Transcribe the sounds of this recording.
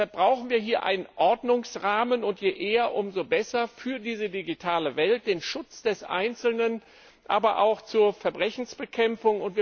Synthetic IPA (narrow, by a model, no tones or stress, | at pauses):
ɐb̥ʁaʊxn̩viːɐɦiːɐʔa̰ɪnənʔɔɐdnʊŋsʁaːmənʊntjeʔeːɐʔʊmzobɛsɐfyːɐdiːzədiɡitʰaːləvɛlt̚d̥eːnʃʊt͡sd̥ɛsʔa̰ɪnt͡sl̩nən | ʔa̰ːbɐʔa̰ʊxt͡suːɐfɛɐbʁɛçn̩sb̥əkʰɛmfʊŋʊntv̥iːɐ